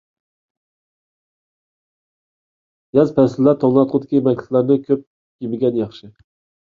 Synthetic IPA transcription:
jɑzpʰɛsɪlːæɾt̪ʰoŋlˠɑt̪̚qʰʊd̪ɪkʲimɛk̚ʲt̪ʰɪ̥t̪lˠæɾnɨkʲʰøp̚ | jibɪɡʲɛnjɑχʃɨ

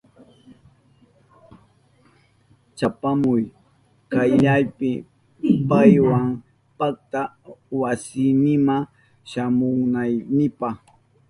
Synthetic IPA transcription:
t͡ʃapamʊj | kajʎajpɪ | pajwaŋ | pak̚t̪a | wasɪnɪma | ʃamʊŋnajnɪpaχ

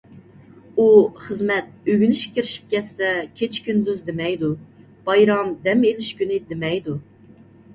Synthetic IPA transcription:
uχəzmɛt̪̚øɡʲynɪʃkʲiɾɪʃi̥p̚kʲʰɛsːɛkʲʰet͡ʃʰkʲynd̪yzd̪emɛjd̪u | b̥ɑjɾɑmd̪ɛmelɪʃkʲynɪd̪emɛjd̪u

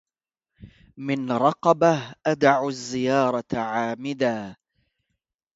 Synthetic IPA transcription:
mɪnɾˤɑqɑbahʔad̪ʕʊzːɪjɑːɾˤɑʕaːmɪd̪aː

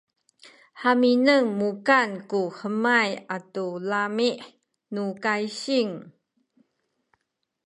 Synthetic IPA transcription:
haminəŋmukankuhəmajatulamiʔ | nukaiɕiŋ

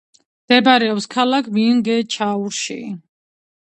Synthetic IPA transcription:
md̪̥ɛbɾɛɔpskʰalakʰmiŋɡɛt͡ʃʰauɾʃḭ

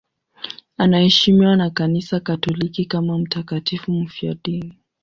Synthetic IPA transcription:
anahɛʃimiwanakanisakatɔlikikamam̩takatifum̩fia̰ɗini

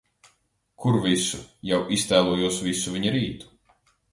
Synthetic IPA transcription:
kʰuɾvisṵjawʔist̪æːlˠuɔjuɔsvisuviɲiɾiːt̪u̥

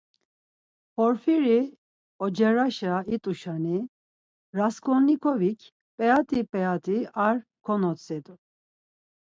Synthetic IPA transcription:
pʰɔɾfiɾi | ɔd͡ʒɛɾaʃait̪ʼuʃani | ɾaskʰʼɔnikʰɔvikʰ | pʼɛat̪ʼipʼɛat̪ʼiaɾ | kʰɔnɔt͡sʼɛd̪u

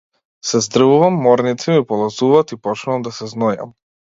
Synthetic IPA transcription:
sɛzd̪r̩vuvamːɔɾnit̪simipɔlˠazuvaːt̪ipɔt͡ʃnuvamd̪asɛznɔja̰m

